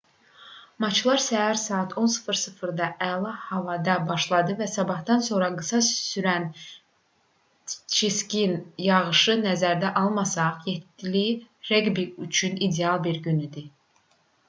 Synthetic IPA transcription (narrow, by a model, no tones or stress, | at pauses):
mɑt͡ʃʰlˠɑɾsæɦæɾsɑːɑt̪ʰo̞nsɯ̥fɯɾsɯfɯɾd̪ɑʔælˠɑhɑvɑd̪ɑbɑʃlˠɑd̪ɯvæsɑbɑhd̪ɑnso̞ɾɑɡɯsɑssyɾæn | t͡ʃʰiscʲinjɑʁɯʃɯnæzæɾd̪æʔɑlˠmɑsɑʁjet̪ːiliɾeɡbiyt͡ʃʰynid̪eɑlˠbiɾɟynyd̪i